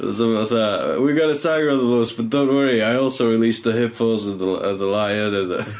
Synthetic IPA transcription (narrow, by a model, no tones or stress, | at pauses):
sə̃mθə̰wiɡɔɾətʰaɪɡəɹəðəloːsb̥ʌt̚d̥õʊ̃nʔwəɹiaɪɔˑlˠsoʊɹɪlisðəɦɪpʰɔzəðəə̰ðəlaɪənəðə